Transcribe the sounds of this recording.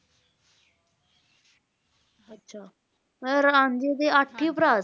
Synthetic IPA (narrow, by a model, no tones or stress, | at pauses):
ətːɕʰa | əɾand͡ʑid̪eaʈʰːipɾa